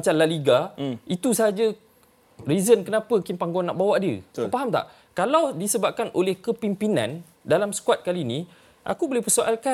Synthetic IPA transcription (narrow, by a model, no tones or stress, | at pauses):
at͡ʃanlaliɡait̪usaɦad͡ʒə | rizənkənãpəkinpaŋɡuanːa̰ʔbawaʔdəpaɦamt̪a̰ʔ | kalawdisəbap̚kanʔolɛhkəpimpinã̰n | dalamsə̥kuat̪̚kalinĩ | ʔa̰kubolɛhpərsoʔalka